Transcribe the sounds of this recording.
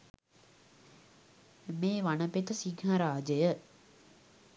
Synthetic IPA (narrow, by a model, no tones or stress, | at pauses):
meːʋanəpet̪əsiɡɦaɾaːd͡ʒəjə